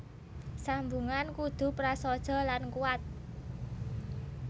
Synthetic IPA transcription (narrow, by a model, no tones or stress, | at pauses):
sambuŋankud̪̥ṳpɾasɔd̥ʒ̥ɔ̤lankuat̪̚